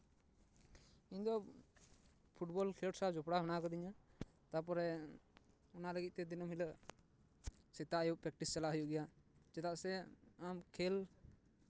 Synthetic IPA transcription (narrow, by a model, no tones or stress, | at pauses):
iɲd̪ɔ | pʰuʈbɔlkʰiəʈsad͡ʒɔpɽaɦɔnakɔd̪iɲa | t̪ap̬ɔɾɛ | ɔnaləɡit̪̚t̪ɛd̪inɔmɦilə | sɛt̪aʔajuʔpɾɛk̚ʈist͡ʃalaɦujuʔɡɛjad͡ʒɛt̪aʔsɛamkʰɛl